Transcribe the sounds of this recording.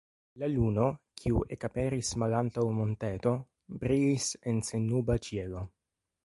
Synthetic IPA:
laluno̞kʰiuʔekapeɾismalant̪awmont̪et̪o̞ | bɾiisensenːubat͡ʃielo

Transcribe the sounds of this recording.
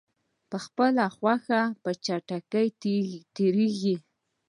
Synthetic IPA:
pəxpəlaxwaxapət͡ʃaʈakəjt̪eɾeɡi

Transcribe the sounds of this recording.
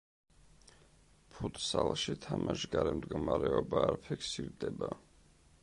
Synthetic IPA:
pʰut̪ʰʼsalˠʃit̪ʰamaʃɡaɾɛmd̪ɡɔmaɾɛɔbaːɾpʰikʰsiɾd̪ɛba

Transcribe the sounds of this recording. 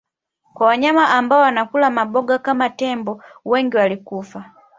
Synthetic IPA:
kwawaɲamaʔambaɔwanakulamabɔɡakamatɛmbɔwɛŋɡiwalikufa

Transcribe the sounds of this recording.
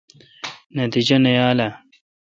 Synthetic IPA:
nɐt̪id͡ʑɐnejaːlɐ

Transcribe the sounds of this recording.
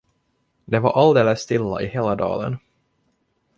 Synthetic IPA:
d̪ɛva̰ɾʔald̪eːləsːt̪ɪlːa̰ʔɪheːlad̪ɑ̰ːlə̰n

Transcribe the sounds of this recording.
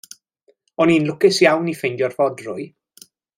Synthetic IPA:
ɔniːnlˠʊkɛsjawnifɪndjɔrvɔdrʊj

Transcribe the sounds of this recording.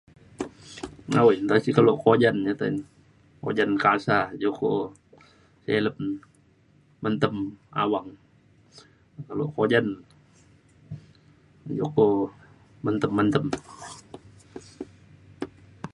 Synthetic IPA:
ŋawjt̪asikalokod͡ʒand͡ʒat̪an | ko̰d͡ʒankasad͡ʒoko | seləp̚ | mənt̪əma̰waŋ | kalokod͡ʒan | d͡ʒoko | mənt̪əmːənt̪əm

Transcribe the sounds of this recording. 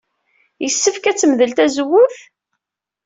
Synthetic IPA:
jəsːəfkæt͡sːməðəlt̪æzəwʊθ

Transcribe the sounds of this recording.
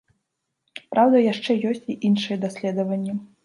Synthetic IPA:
pɾʔawd̪ɐjaʂt͡ʂɛjɔsʲt͡sʲiʔinʂɨjɛd̪asʲlʲɛd̪ɐvɐnʲːɛ

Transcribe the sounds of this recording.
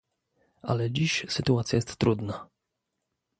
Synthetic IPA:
ʔa̰lɛd͡ʑiɕsɘt̪uat̪sʲjajɛst̪ːɾud̪na

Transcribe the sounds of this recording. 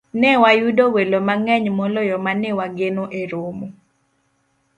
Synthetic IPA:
nɛwajudowelomaŋɛɲmɔlɔjɔmanɪwaɡenoʔeɾomo

